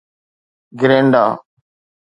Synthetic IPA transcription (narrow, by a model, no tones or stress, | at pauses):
ɡɪɾeːɳɖaː